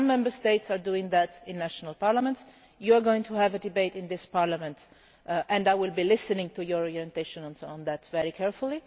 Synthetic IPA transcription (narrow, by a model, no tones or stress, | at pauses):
mːɛ̃mbə˞st̪eɪtsaɹduɪ̃ŋðætɪ̃nːæʃɔnalˠpaɹlamɛ̃nts | juaɹɡoɪ̃ŋtʰuhævədɪbeɪtɪ̃nd̪ɪspaɹlamɛ̃nt | ʔɛ̃ndajwɪlˠbilɪsənɪ̃ŋtujɔɹɔɹiɛ̃nt̪eɪʃɔ̃nɔ̃nsɔ̃nðætvɛɹikʰɛɹfulˠi